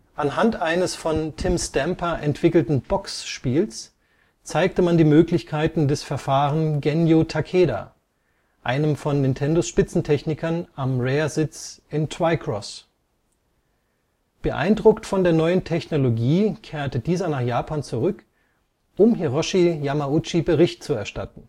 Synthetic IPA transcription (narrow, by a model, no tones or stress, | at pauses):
ʔanɦantʔaɪnəsfɔntʰɪmstɛmpɐʔɛntv̥ɪkl̩tn̩b̥ɔksʃpiːls | t͡saɪk̚təmandiːmøːklɪçkʰaɪtn̩dɛsfɛɐfaːʁənɡɛnjotʰakʰeːda̰ | ʔaɪnəmfɔnːɪntʰɛndosʃpɪt͡sn̩tʰɛçnɪkʰɐnʔamʁeːɐzɪt͡sʔɪntʰv̥aɪkʰʁ̥ɔs | b̥əʔa̰ɪndʁʊktfɔndeːɐnɔʏəntʰɛçnoloɡiːkʰeːɐtədiːzɐnaːχjaːpʰaːnt͡suʁʏk | ʔʊmɦeʁɔʃijamaʊt͡ʃibəʁɪçt̚t͡suɛɐʃta̰tn̩